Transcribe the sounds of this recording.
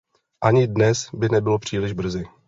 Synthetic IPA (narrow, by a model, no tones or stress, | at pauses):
ʔaɲɪdnɛsbɪnɛbɪlo̞pr̝̥iːlɪʒbr̩zɪ